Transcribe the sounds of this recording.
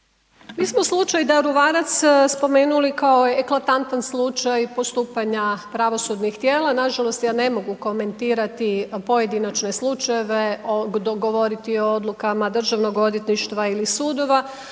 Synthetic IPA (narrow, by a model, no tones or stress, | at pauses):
miːsmoslˠut͡ʃajd̪aɾuʋaːɾat̪sspo̞me̞ːnulikaoeeklˠat̪ant̪anslˠut͡ʃajpo̞st̪uːpaɲapɾaʋo̞sud̪nixt̪jeːlanaʒalˠo̞st̪jane̞mo̞ɡuko̞me̞nt̪iːɾat̪ipo̞je̞d̪inat͡ʃne̞slˠut͡ʃajeʋeoɡo̞ʋo̞ɾit̪iood̪lukamad̪r̩ʒaʋno̞ɡo̞d̪jet̪niʃt̪ʋailisuːd̪o̞ʋa